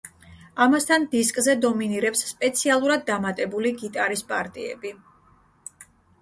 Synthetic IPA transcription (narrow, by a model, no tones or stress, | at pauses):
amast̪ʰand̪iskʼzɛd̪ɔminiɾɛpsːpʼɛt̪sʰialˠuɾad̪̚ːamat̪ʼɛbuliɡit̪ʼaɾispʼaɾt̪ʼiɛ̰bi